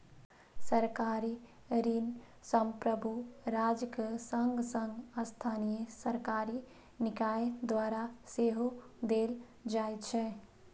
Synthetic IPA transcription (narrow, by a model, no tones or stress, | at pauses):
səɾkaːɾi | ɾin | səmpɾəbuɾaːd͡ʒkesəŋɡsəŋɡəst̪ʰaːnijesəɾkaːɾi | nɪkaːjd̪ʋaːɾaseɦod̪eːl | d͡ʒaːjt͡ʃʰɛ